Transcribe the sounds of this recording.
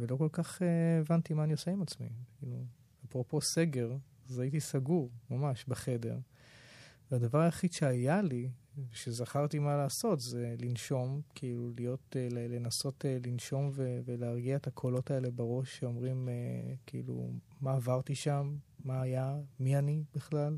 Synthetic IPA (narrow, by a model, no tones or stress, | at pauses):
velo̞ko̞lkaχeːvant̪imaːnijo̞seimat͡smḭkʰilu | apʁo̞po̞se̞ɡe̞ʁ | zait̬isaɡuʁmamaʃbeχe̞de̞̰ʁ | vead̪avaʁaeχid̪ʃeajaliveʃezaχaʁt̪imalaːso̞tzelinʃo̞mkʰiilulijo̞telelenaso̞telinʃo̞mveveleːʁɡiaet̪akʰolo̞tae̞lebaʁo̞ʃːeo̞mʁimekiḭlṵ | maːvaʁt̪iʃamːaːjamianibiχlal